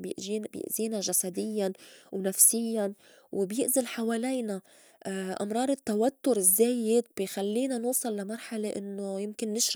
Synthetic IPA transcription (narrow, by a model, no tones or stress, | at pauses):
bjɪ̰ʔziːnaʒasad̪ɪjːanwnafsɪjːan | wɪbjɪʔzalħawaːlajna | ʔa̰mɾˤɑːɾˤɪt̪ːawat̪ːʊɾɪzːeːjɪd̪̚bjxalːiːnanuːsˤɑlːamɑɾˤħaleʔɪnːojɪmkɪnːɪʃɾ